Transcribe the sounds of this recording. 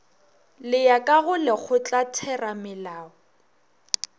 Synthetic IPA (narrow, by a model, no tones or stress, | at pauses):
lɪjakʼaɣʊlɛk͡xʰʊt͡ɬʼatʰɛramɪlaːɔ